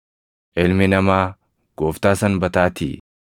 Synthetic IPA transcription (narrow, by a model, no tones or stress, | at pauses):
ʔɛlmɪnɐmaː | ɡ̥oːft̪aːsɐnbɐt̪aːt̪ḭ